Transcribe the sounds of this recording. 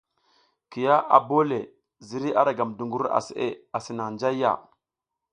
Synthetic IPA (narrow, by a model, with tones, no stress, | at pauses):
ki˨ja˦a̰˨bo˦le˨ | zi˨˦ɾi˦ʔa˦ɾa˨ɡa˨mdu˨ŋɡu˦ɾa̰˨sḭ˨ʔḛ˦a˨si˨na˨nd͡ʒa˦ja̰˦˨